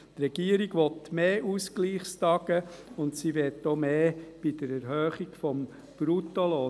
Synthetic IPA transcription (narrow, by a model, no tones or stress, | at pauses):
tɾɛɡ̥iəɾiɡʋɔtmeːʔuskliːχst̪ɑɡəʊntsiʋɛtːoːmeːb̥id̥əɾɛɾɦøːχiɡfɔm | b̥ɾutolɔː